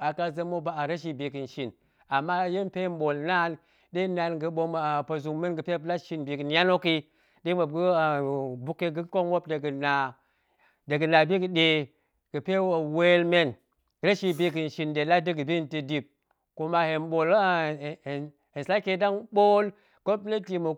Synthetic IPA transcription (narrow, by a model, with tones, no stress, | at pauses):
a˨ka˦zə˦mo˦ba˨a˨ɾa˦ʃi˨bi˨ki˨n˨ʃi˨n | a˨mːa˦je˦m˦pe˦m˦ɓo˨lna˦n | di˦na˨nɡɨ˨ɓo˦m˨pa˨zu˨ŋme˦nɡɨ˨pe˦la˦ʃi˦nbi˨ki˨n˦ja˦no˦ki˦ | di˦mo˨b̚ɡi˦˨bu˦ke˦ɡu˦ko˦nwo˦p̚de˨ɡɨ˨na˨ | de˨ɡɨ˨na˨bi˦ɡɨ˨de˨ | ɡ̥ɨ˨pe˦wo˨we˦lme˦n˨ | ɾe˦ʃi˦bi˨ki˨n˨ʃi˨nde˨la˦di˦ɡɨ˨bi˦nti˨di˨b̚ | ku˦ma˦he˨mɓo˨l | hi˨n˨sa˦ke˦da˦ŋɓo˦l | ko˦ple˦ti˨mo˨